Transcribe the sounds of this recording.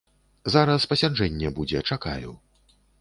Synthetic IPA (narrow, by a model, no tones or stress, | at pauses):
zaɾɐspɐsʲad͡ʐɛnʲːɛbud͡zʲɛt͡ʂaka̰jṵ